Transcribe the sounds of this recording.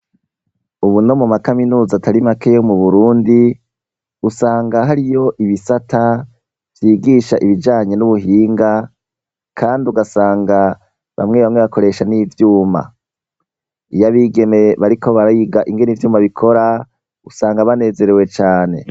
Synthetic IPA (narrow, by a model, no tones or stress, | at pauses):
uβuno̞mumakaminuːzatʰaɾimakejomuβuɾuːndi | usaːŋɡaɦaɾijo̞ʔiβisatʰa | v̥jiːɡiːʃaʔiβid͡ʒaːɲe̞nuβuɦiːŋɡa | kʰaːndiuɡasaːŋɡa | βa̰mŋe̞βamŋeβako̞ɾe̞ːʃanivjuːma̰ | ijaβiːɡe̞me̞βaɾiko̞βaɾajiɡaʔiŋɡe̞nivjuːmaβikʰo̞ɾa | usaːŋɡaβane̞ːze̞ɾewe̞t͡ʃaːne̞̰